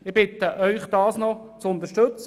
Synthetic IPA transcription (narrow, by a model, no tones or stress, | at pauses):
ɪʁb̥ɪt̪əʔœʏχd̥̪ɑːsnɔt͡sʊnt̪əʃtɵt͡s